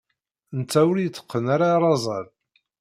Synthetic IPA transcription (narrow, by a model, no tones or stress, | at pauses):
nt͡sːæwəɾjt͡sːə̥qːənaɾaɾˤɑzˤɑð